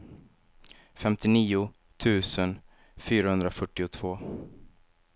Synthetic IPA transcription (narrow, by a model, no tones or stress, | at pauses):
fɛmt̪ɪniːʊ | t̪ʰʉ̟ːsən | fyːɾahɵnd̪ɾafœʈːɪʊt̪ʰv̥oː